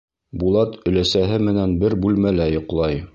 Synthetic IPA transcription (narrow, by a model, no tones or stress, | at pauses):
bulˠɑt̪ɵ̆læsæɦɘmɘ̆nænbɘɾbʉlmælæjŏqlˠɑj